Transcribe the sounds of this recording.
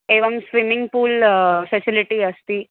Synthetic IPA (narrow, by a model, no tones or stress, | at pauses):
eʋəmsʋimiŋɡpuːlfɛsiliʈiːəst̪iː